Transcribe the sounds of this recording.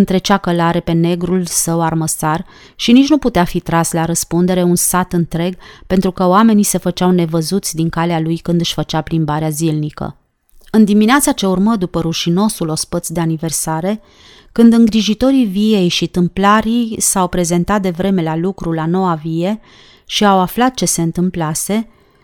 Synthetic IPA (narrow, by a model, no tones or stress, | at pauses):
ɨnt̪ɾe̞t͡ʃakəlaɾe̞pe̞ne̞ɡɾulsəwarməsar | ʃinit͡ʃnuput̪eafit̪ɾaslaɾəspund̪e̞ɾe̞unsat̪ɨnt̪ɾe̞ɡpe̞nt̪ɾukəoame̞nise̞fət͡ʃawne̞vəzut̪sʲd̪iŋkalealujkɨnd̪ɨʃfət͡ʃaplimbaɾeazilnikə̰ | ɨnd̪imineat̪sat͡ʃe̞urməd̪upəɾuʃino̞sulo̞spət̪sʲd̪e̞anive̞rsaɾe̞ | kɨnd̪ɨŋɡɾiʒit̪o̞ɾivie̞jʃit̪ɨmplaɾisawpɾe̞ze̞nt̪at̪̚d̪e̞vɾe̞me̞lalukɾulano̞wavie̞ | ʃiawaflat̪̚t͡ʃe̞se̞ɨnt̪ɨmplase̞